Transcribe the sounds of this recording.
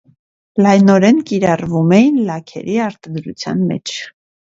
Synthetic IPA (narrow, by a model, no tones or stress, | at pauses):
lɑjnɔɾɛnkiɾɑrvumɛjinlɑkʰɛ̰ɾiɑɾt̪ɑd̪ɾut͡sʰjɑ̰nmɛ̰t͡ʃʰ